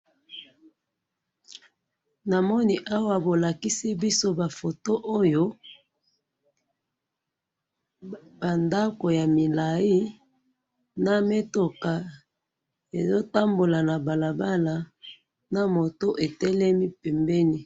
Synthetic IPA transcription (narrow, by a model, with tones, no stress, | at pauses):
na˨mɔ˦ni˦ʔa˦wa˨bo˨la˨ki˦si˦bi˦so˦ba˨fo˨to˦ʔo˦jo˦ | ba˨nda˦ko˨ja˨mi˨la˨i˦ | na˨me˦to˨ka˨ | e˨zo˦ta˦mbo˨la˨na˨ba˨la˨ba˦la˨ | na˨mo˨to˦ʔe˨tɛ˦lɛ˦mi˦pɛ˨mbɛ˦ni˦